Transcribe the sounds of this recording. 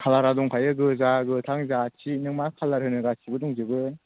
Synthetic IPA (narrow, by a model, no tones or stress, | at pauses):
kʰalaɾadɔŋkʰajɯɡɯzaɡɯtʰaŋzat͡ʃʰinɯŋmakʰalːaɾɦɯnɯɡat͡ʃʰibɯdɔŋzɯbɯ